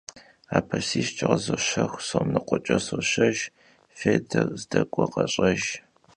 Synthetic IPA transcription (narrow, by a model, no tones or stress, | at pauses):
aːpʰɐsiːɕt͡ʃʼɪʁɐzɐɕɐxʷsomnɨqʷʼɔt͡ʃʼɐsoɕɐʒ | feːdɐrzdɐkʷʼɔqɐɕʼɐʒ